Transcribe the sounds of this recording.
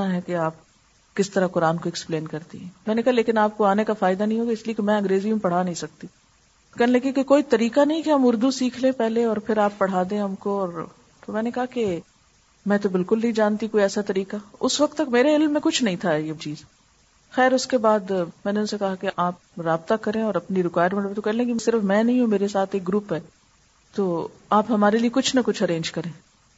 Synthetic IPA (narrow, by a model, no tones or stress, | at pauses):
aɦɛkeaːp̚ | kɪst̪ɐɾakʊɾaːnkoɛkspleːnkɐɾt̪ḭɦɛ̃ːmɛ̃ːnekɐɦaleːkɪnaːp̚koaːnekafaːɪd̪anɐɦĩɦoːɡaɪsliekemɛ̃ːɐ̃ŋɡɾeːzimẽpɐɽ̤anɐɦĩsɐk̚t̪i | kɛːnelɐkikekoːit̪ɐɾiːkanɐɦĩkeɦɐmʊɾd̪usiːkʰlẽpɛɦleɔːɾpʰɪɾaːpːɐɽ̤aːd̪ẽɦɐmkoɔːɾ | t̪omɛ̃ːnekɐɦake | mɛ̃ːt̪̬obɪlkʊlnɐɦĩd͡ʒaːnt̪ikoːiɛːsat̪ɐɾiːkaʊsʋɐk̚t̪ːɐkmeːɾeɪlmːẽkʊt͡ʃʰnɐɦĩt̪ʰaɛet͡ʃiːz | xɛːɾʊskebaːd̪mɛ̃ːneʊnsekɐɦakeʔaːp̚ɾaːb̚t̪akɐɾẽɔːɾɐpniɾɪkwaːjɖmẽnet̪okɛɦlẽkisɪɾfmɛ̃ːnɐɦĩɦũmeːɾesaːt̪ʰeːk̚ɡɾuːpɦɛː | t̪oːaːpɦɐmaːɾeliekʊt͡ʃʰnɐkʊt͡ʃʰɐɾẽːɲd͡ʒkɐɾẽː